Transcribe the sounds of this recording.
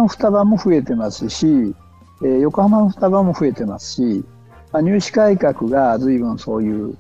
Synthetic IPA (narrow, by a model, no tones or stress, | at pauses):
oɸɯ̟̥t̪abamo̞ɸɯ̟e̞t̪e̞masɨɕi | eːjo̞ko̞hamanoɸɯ̥t̪aβamo̞ɸɯ̟e̞t̪e̞masɨ̥ɕi | maɲ̟ʲɨːɕi̥kaikakɯ̟ɡazɨibɯ̟̃ɰ̃so̞ːjɯː